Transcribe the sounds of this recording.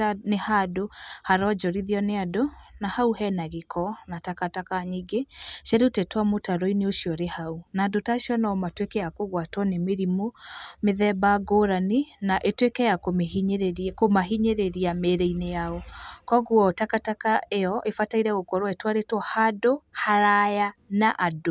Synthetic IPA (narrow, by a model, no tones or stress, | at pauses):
nehadohaɾɔd͡ʒɔɾiðiɔneadonahauɦɛnaɣekʰɔnatakatakaɲiɡeʃɛɾutɛtwamotaɾɔineoʃiɔɾehaunaːdotaʃiɔnaɔmatwekɛjakoɣwatwɔnemeɾimomeðɛbaɡoɾaninaʔetwekɛjakomeiɲɾkomaɦiɲeɾeɾiameɾɛinejaɔkɔɣwɔtakatakaejɔʔefataiɾɛɣokɔɾwɛtwaɾetwɔhadohaɾajanaʔado